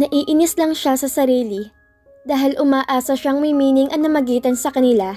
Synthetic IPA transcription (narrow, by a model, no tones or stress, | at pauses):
nɐʔiːʔɪnɪslɐŋʃasɐsɐɾiːlɪ | d̪aːɦɪlʔʊmaːʔaːsɐʃaŋmimiːnɪŋʔɐnɐmɐɡiːt̪ɐnsɐkɐnɪla